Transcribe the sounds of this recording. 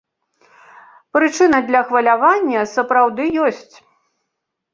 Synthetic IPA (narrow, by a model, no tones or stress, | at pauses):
pɾɨt͡ʂɨnɐd̪lʲɐxvɐlʲavanʲːɐsɐpɾawd̪ɨjɔsʲt͡sʲ